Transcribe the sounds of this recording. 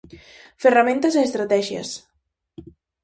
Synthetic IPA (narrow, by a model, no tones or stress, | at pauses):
feramẽnt̪əzeːst̪ɾat̪ɛʒjə̰s